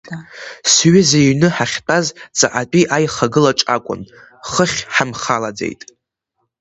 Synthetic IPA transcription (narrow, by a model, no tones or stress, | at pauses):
sɥɪzejnɨħaχʲtʼazt͡sʼaʔat͡pʼiʔajχaɡɨlaʈ͡ʂʼa̰kʷʼʊ̰n | χəχʲħamχalad͡zḛjtʼ